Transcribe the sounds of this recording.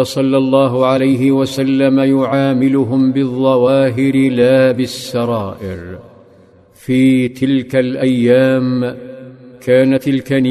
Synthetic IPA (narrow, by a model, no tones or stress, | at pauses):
sˤɑlːɑlˤːɑːɦʊʕalajɦɪwasalːamajʊʕaːmɪlʊɦʊmbɪðˤːɑwaːɦɪɾɪlaːbɪsːɑɾˤɑːʔɪ̰ɾ | fiːt̪ʰɪlkalʔajːaːm | kʰaːnat̪ɪlkan